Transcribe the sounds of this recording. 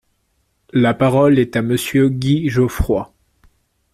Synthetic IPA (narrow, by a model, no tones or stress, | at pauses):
lapaʁɔlɛt̪aməsjøɡʲiʒofχwa